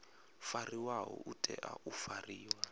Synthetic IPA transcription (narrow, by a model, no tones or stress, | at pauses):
fariwaɦɔ̰ʔutʼɛʔaʔufariːwa